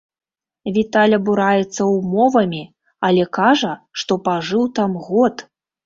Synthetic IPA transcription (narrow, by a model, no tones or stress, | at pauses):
vʲit̪alʲɐbuɾajɛt̪sːɐwmɔvɐmʲi | ɐlʲɛkaʐɐʂt̪ɔpaʐɨwt̪amɣɔt̪